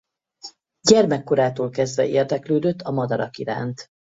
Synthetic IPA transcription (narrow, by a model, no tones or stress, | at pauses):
ɟɛrmɛkːo̞ɾaːt̪oːlkɛzd̪vɛ̰ʔeːrd̪ɛkløːd̪øt̪ːɒmɒd̪ɒɾɒkiɾa̰ːnt̪